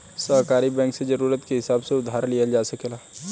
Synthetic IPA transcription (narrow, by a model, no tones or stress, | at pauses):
sɐɦkaːɾibɛ̃ːŋksed͡ʒɐɾuːɾət̪keɦɪsaːbseʊd̪ʱːaːɾlijad͡ʒaːsɐkelaː